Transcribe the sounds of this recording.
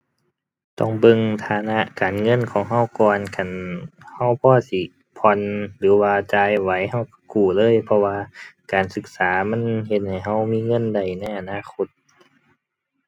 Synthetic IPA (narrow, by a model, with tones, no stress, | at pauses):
t̪ɔ˧˩ŋbɤ˧˨ŋt̪ʰaː˧˦na˧˥ʔkaː˨nŋɤ˧˥˨nkʰɔː˨˦ŋɦa˧˥˩wkɔː˧˨nkʰa˧˩˨nha˧˩wpʰɔː˧˩si˧˩ | pʰɔ˧˨nlɯː˨˦waː˧t͡ɕaː˧jwa˨˦jha˧˥˩wkḁ˧˩kuː˧˩lɤː˧˥˨jpʰɔ˧waː˧kaː˨˩nsɯ˧˦k̚saː˨˩˦ma˧˥˨nhe˧˦t̪̚ha˨˩jɦa˧˥˩wmiː˧˥˨ŋɤ˧˥˨nda˨˩jna˧˩jʔa˨naː˧˨kʰo˧˥t̪̚